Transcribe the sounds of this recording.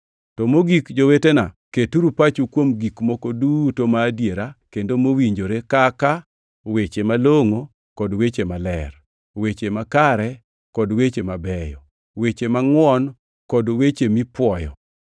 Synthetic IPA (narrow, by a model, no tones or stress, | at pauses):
tɔmoɡikd͡ʒowetenaketuɾupat͡ʃukwomɡikmɔkɔdutomaːdjeɾakendomowiɲd͡ʒoɾekaka | wet͡ʃemaloŋo | kɔdwet͡ʃemalɛr | wet͡ʃemakaɾɛ | kɔdwet͡ʃemabɛjɔ̰ | wet͡ʃemaŋwɔn | kɔdowet͡ʃemipwɔjɔ̰